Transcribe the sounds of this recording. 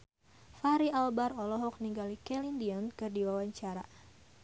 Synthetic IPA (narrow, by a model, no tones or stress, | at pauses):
faɾialbaɾɔlɔɦɔk̚niŋɡalikɛlindiɔnkɨrdiwawaɲt͡ʃaɾa̰